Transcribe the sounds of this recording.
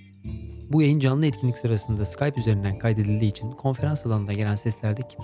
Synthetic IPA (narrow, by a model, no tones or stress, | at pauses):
bujajɯnd͡ʒanlˠɯɛt̪cʰinlʲicsɯɾasɯnd̪askʰajpyze̞ɾind̪ænkʰajd̪e̞d̪ilʲd̪iːt͡ʃʰinkʰo̞nfe̞ɾansalˠanɯnaɟe̞lʲænsɛslʲæɾd̪ɛcʰi̥m